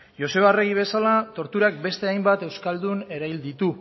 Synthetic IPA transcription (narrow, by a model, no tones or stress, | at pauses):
jo̞se̞βare̞ɣiβ̞e̞salat̪o̞ɾt̪uɾak̚be̞st̪e̞ajmbat̪e̞wskald̪une̞ɾajld̪it̪u